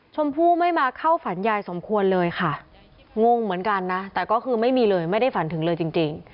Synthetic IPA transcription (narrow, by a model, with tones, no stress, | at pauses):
t͡ɕʰo˧mpʰuː˥˩ma˥˩jmaː˧kʰa˥˩wfa˩˦njaː˧jso˨˩˦mkʰu˧ənlɤː˧jkʰa˥˩ | ŋo˧ŋmɯ˩˦ənka˧nːa˦˥t̪ɛː˨˩kɔː˥˩kʰɯː˧ma˥˩jmiː˧lɤː˧jma˥˩jda˥˩jfa˩˦nt̪ʰɯ˩˦ŋlɤː˧jt͡ɕi˧ŋt͡ɕi˧ŋ